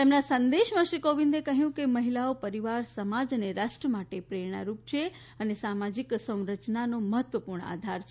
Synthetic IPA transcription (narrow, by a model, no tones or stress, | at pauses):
t̪emnasənd̪eʃmãʃɾikoʋĩnd̪ekəɦjũkeməɦilaopəɾiʋaɾsəmad͡ʒneɾasʈəmaʈepɾeɾɳa̰ɾup̚t͡ʃʰe | ənesamad͡ʒiksə̃w̃ɾət͡ʃnanoməɦət̪ʋəpuɾɳə̰a̰d̪ʱaɾt͡ʃʰ